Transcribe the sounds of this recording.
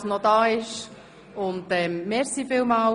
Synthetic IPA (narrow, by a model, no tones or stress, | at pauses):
snɔdɑːɪʃ | ʊndɛmmɛɾsifɪlmal